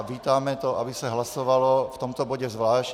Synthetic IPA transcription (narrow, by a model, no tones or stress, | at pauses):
ʋiːt̪amɛt̪ɔʔabisaɦlasɔʋalɔft̪ɔmt̪ɔbɔɟɛzʋlaːʃ